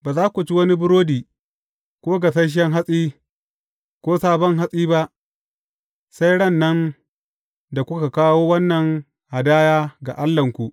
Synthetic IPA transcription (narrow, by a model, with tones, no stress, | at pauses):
baː˨zaː˦kʷu˨t͡ʃi˦wɐ˦ni˦bʊ˦ɾoː˦diː˨ | kʷoː˦ɡa˨sɐ˦ʃ̬ɛ˦ŋɦa˦sʼiː˦ | kʷoː˦saː˦bɔ˦ŋɦa˦sʼiː˦ba˦ʔ | sa˦jɽɐ˦˨nːɐ˦n | da˨kʷʊ˦ka˨kaː˦woː˦wɐ˦nːɐ˨ŋ | ʔa˨daː˦jaː˦ɡa̰˨ʔa˦lːɐ˨ŋkʷu˨ʔ